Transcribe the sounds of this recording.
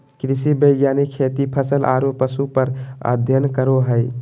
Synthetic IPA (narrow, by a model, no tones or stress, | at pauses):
kɾisibəɪɡjaːnikʰːet̪ipʰəsəlʔa̰ːɾopəsupəɾə̰d̪ʱjənkəɾoɦəɪ